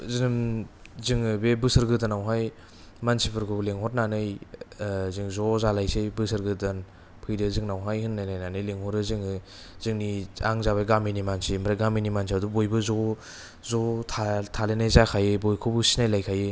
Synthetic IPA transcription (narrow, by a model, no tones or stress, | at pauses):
zinɯm | zɯŋɯbebɯsɯɾɡɯtanawɦaj | mansipʰɯɾkʰɯleŋɦɔt̚nanɯj | zɯŋzɔzalajsejbɯsɯɾɡɯtan | pʰɯjdɯzɯŋnawɦajhɯnːajnajnanɯjleŋhɔɾɯzɯŋɯ | zɯŋnia̰ŋzaβaɡaminimansimɾaɡaminimansiadubojbɯzɔ | zɔtʰatʰalenajzakʰajɯbojkʰobɯsinajlajkʰajɯ